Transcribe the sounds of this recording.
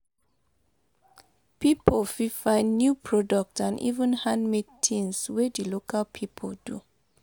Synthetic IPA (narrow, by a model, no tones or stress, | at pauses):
pipʰolfifãɪ̃nːjupʰɹɔdɔk̚tãnḭvə̃nhãndmid̚tʰĩnswedilokalpʰipʰɔldṵ